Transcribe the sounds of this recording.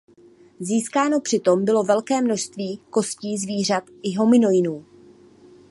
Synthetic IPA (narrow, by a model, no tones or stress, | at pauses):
ziːskaːno̞pr̝̥ɪt̪o̞mbɪlo̞vɛlkɛːmno̞ʃst̪viːko̞sciːzviːr̝at̪ʔɪɦo̞mɪno̞jɪnuː